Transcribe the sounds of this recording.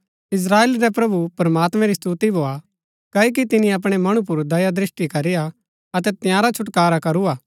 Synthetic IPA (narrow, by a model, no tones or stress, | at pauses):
ɪs̬ɾaːeːlɾɛpɾɐbupɾɐmaːt̪mɛ̃ɾist̪uːt̪ibʱoːa | kɐik̬it̪ɪnĩɐp̬ɽ̃ɛmɐɽ̃ũp̬ʊɾd̪ɐjad̪ɾɪsʈikɐɾɪːa | ɐt̪ɛt̪ɪjãːɾat͡ʃʰʊʈkaːɾakɐɾuaː